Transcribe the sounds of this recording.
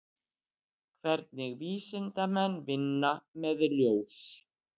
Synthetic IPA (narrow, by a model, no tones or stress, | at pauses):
kʰvɛɾt̪̚nɪɣviːsɪnt̪amɛnvɪnːamɛðljows